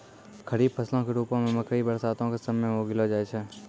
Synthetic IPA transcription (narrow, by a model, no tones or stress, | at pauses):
kʰəɾiːbpʰəslõkeɾuːpõmẽməkʰɾibəɾsaːt̪õkesəmeɦoːɡɪlod͡ʒaːet͡ʃʰɛː